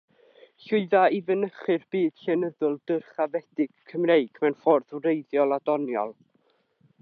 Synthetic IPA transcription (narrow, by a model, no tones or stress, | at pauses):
ɬʊɨðaivənəχɨrb̥iːd̥ɬɛnəðʊlˠdərχavɛd̥ɪɡ̥kʰːəmrejɡ̥mɛwnfɔrðwrejðjɔlˠadɔnjɔ̰lˠ